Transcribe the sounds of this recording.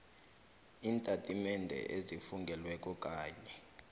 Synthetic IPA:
iːntʼatʼimɛndʱɛ̰ʔezifuŋɡʱɛlwɛk̬ʼɔkʼaːɲɛ

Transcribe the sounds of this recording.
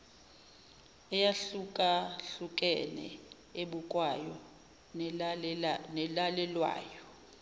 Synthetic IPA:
ɛjaɬukʼaɬuk̬ʼɛnɛ̰ | eɓukʼwajɔ | nɛlalɛlwa̰ːjɔ

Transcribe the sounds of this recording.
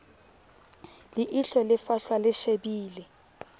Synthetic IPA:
lɪʔiɬɔlɪfaɬwalɪʃebiːlɛ

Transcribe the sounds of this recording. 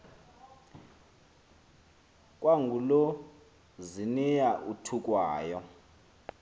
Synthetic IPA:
kʼwaŋɡʱulo | zinijaʔutʰukʼwaːjɔ

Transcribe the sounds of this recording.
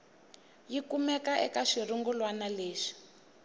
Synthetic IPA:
jikumɛkaʔɛkaʂiruŋɡulwanaleːʂi̥

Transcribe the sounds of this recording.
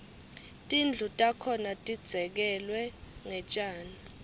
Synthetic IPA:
tʼind͡ɮʱutʼakʰɔnatʼid̥d͡z̥ʱɛk̬ɛlwɛŋɛt͡ʃʼaːni

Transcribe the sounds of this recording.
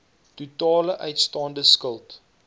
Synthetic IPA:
tutɑːləʔœɥtstɑːndəskəlˠt

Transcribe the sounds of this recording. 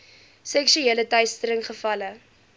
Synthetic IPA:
sɛkʃyeːlətœɥstəɾəŋχəfɐlə

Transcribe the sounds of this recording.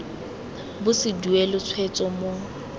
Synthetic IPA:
bʊsɪduelʊt͡sʰwet͡sʼɔmo

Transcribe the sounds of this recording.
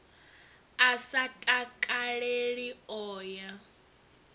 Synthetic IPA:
asatʼakʼaɺeɺiɔːja

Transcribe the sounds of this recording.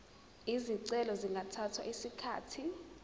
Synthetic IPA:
iziǀɛlɔziŋɡʱatʰatʰwa̰ʔisikʰaːtʰi

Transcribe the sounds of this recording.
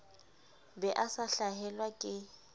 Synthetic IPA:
bɛʔasaɬaɦɛlwakʼɪ

